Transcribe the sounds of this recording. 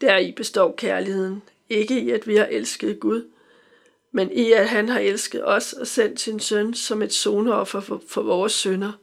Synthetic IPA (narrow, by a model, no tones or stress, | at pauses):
d̥æɐib̥e̝sd̥ɒ̰ːkʰæɐlihe̝ð̰ˠn̩ | e̝ɡ̥əiæd̥ʋihɑ̈ʔelsɡ̥əð̞̩ˠɡ̥uð̞ˠ | meniæɦænɦɑ̈ʔelsɡ̥əð̩ˠɒ̽sɒ̽sen̰d̥sinsønsɒ̽me̝d̥so̝ːnɒ̽fɐfɒ̽ʋɒːsønɐ